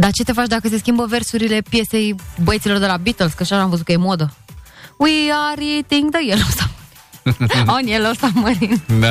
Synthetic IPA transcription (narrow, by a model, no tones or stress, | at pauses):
d̪at͡ʃe̞t̪e̞fat͡ʃd̪akəse̞skʲimbəve̞rsuɾile̞pje̞se̞jboəjet̪silo̞rd̪e̞labit̪elskəʃanamɱvəzut̪kəje̞mod̪əwiaɾit̪iŋɡd̪əjelosaməɾinonelosaməɾind̪a